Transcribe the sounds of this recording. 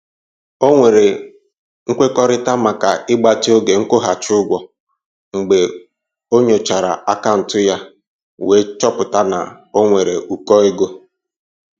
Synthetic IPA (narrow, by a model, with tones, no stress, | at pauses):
o˦ŋʷe˨ɾe˨ | ŋ̩˦kʷe˦kɔ˦ɾɪ˦ta˦ma˨ka˨ɪ˦ɡ͡ba˦ti˦o˦ɡe˨ŋ̩˦kʊ˦ɦa˨t͡ʃʊ˦ɡʷɔ˨ | ŋ̩˨ɡ͡be˨ | o˦ɲe˨t͡ʃa˨ɾa̰˨a˦ka˦˨n̩˨tʊ˦ja˦ | we˨˦t͡ʃɔ˦pʊ˨ta˦na̰˨ | o˦ŋʷe˨ɾe˨ʔu˨kɔ˦ɪ˦ɡo˦